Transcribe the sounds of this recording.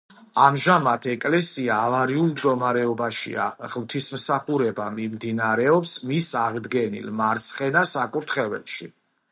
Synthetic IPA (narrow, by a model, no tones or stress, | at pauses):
amʒamat̪ʰɛkʼlɛsiaːvaɾiulˠmd̪ɡɔmaɾɛɔbaʃḭa̰ʁmt̪ʰismsaχuɾɛbamimd̪inaɾɛɔpsmisaʁd̪ɡɛnḭlmaɾt̪sʰχɛnasakʼuɾt̪ʰχɛvɛ̰lʃi